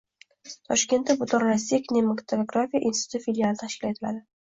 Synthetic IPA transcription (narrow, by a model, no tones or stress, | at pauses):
t̪ʰɒʃkʲe̞nt̪ːabʊt̪ʰoɾɾasijakʰʲnʲemakt̪ʰooɡɾafijaʔinsɪ̥ʊ̥t̪ʊɪfelialˠɪt̪ʰaʃkʲɪlaet̪ʰɪla̰d̪ɪ